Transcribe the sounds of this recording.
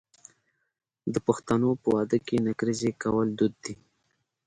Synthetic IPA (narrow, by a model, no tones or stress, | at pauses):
d̪əpaxt̪anopəwɑd̪əkenaɡɾizekawəld̪ud̪̚ːi